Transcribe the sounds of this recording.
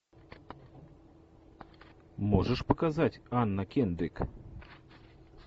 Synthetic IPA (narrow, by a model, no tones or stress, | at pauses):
moʒəʃpŏkɑzɑtʲɑnːɑkend̪ek